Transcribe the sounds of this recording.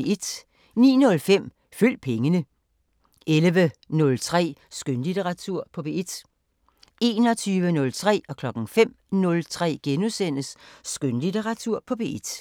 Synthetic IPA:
ed̥ | nḭːnɔ̽lfem̰ | fyl̰d̥̚pʰeŋənə | elʋənɔ̽lt͡sʰʁɛ̰ːsɡ̥ønlit͡sʰeʁɑ̈t͡sʰuɐ̰pʰɒ̽b̥e̝̰ːed̥ | e̝̰ːnɒ̽t͡sʰyːʋənɔ̽lt͡sʰʁɛ̰ːɒ̽kʰlɒ̽ɡ̥ŋ̩fem̰ | nɔ̽lt͡sʰʁɛ̰ːɡ̥enusen̰əsːɡ̥ønlit͡sʰeʁɑ̈t͡sʰuɐ̰pʰɒ̽b̥e̝̰ːed̥

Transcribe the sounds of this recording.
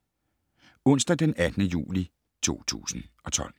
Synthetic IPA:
ɔ̽n̰sd̥ɐd̥enæd̥ənəjṵːli | t͡sʰo̝̰ːt͡sʰṵːsn̩ɒ̽t͡sʰɒ̽l̰

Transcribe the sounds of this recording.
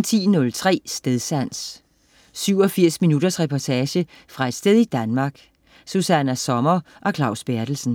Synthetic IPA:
t͡sʰḭːnɔ̽lt͡sʰʁɛ̰ːsd̥eðˠsæn̰s | syʊ̰ɒ̽fiɐ̰sminud̥ɐsʁɛpʰɒt͡sʰɛːɕə | fʁɑ̈e̝d̥sd̥eð̞ˠid̥ænmɑ̈ːɡ̥ | susænæsɒ̽mɐ | ʔɒ̽kʰlɑ̈ʊ̰sb̥eɐd̥l̩sn̩

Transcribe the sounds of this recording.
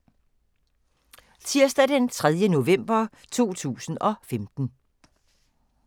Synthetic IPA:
t͡sʰiɐsd̥æd̥ent͡sʰʁað̞ˠjəno̝ʋem̰b̥ɐ | t͡sʰo̝̰ːt͡sʰṵːsn̩ɒ̽femd̥n̩

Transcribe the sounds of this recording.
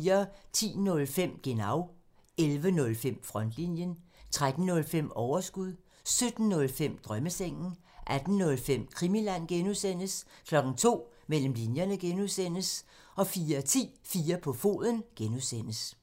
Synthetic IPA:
ɐt͡sʰḭːnɔ̽lfem̰ɡ̥e̝nɑ̈ʊ | elʋənɔ̽lfem̰fʁɒ̽n̰d̥linjənt͡sʰʁad̥n̩nɔ̽lfem̰ɒʊɐsɡ̥uð̰ˠ | sød̥n̩ːɔ̽lfem̰d̥ʁɶməseŋ̰n̩ | ʔæd̥n̩nɔ̽lfem̰kʰʁimilæn̰ɡ̥enuðˠsen̰əskʰlɒ̽ɡ̥n̩t͡sʰo̝̰ː | mel̰m̩linjɐnəɡ̥enuðˠsen̰əs | ɒ̽fiːɐt͡sʰḭːfiːɐpʰɒ̽fo̝̰ːðˠn̩ɡ̥enuðˠsen̰əs

